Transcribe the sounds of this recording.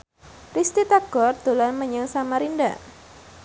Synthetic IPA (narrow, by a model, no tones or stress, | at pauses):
rist̪it̪aɡ̥ɔrd̪̥olanməɲəŋsamaɾinda̰